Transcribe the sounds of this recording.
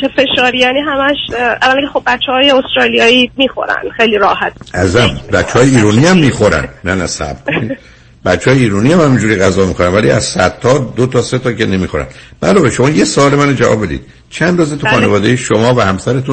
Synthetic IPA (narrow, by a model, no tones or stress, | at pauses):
efe̞ʃɒːɾijæːniːɦæmæʃʔæ̰lanekʰexob̚bæt͡ʃʰːɛhɒːjeost̪ɾɒːlijɒːimiːxo̞̰ɾæ̰n̥xejliɾɒːhæt̪̚æzæmbæt̪t͡ʃːehɒːjeiːɾuːniæmːiːxoɾæ̰nnænæsæ̰bkʰoni | bæt̪t͡ʃːeːjeiːɾuniæmhæmĩnd͡ʒuːɾiɣæzɒːmiːxoɾænvælḭæ̰z̥sæt̪ʰːɒːd̪ot̪ʰɒːse̞t̪ʰɒːcʰene̞miːxoɾæ̰nb̥æ̰lɒːbeʃo̞mɒːjesoɒːlemænod͡ʒævɒ̰be̞d̪ḭd̪̥̚ | t͡ʃʰænd̪ɾoːzet̪uxɒːnevɒːd̪ejeʃomɒːvæhæmsæɾet̪ʰu